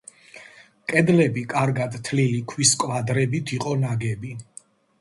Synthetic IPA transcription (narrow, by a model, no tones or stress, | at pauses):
kʼɛd̪lɛbikʼaɾɡad̪t̪ʰlilikʰwiskʼvad̪ɾɛbit̪ʰiqʼɔnaɡɛbi